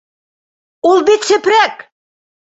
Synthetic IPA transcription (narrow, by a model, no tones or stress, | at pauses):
ulbet̪sɘ̆pɾæk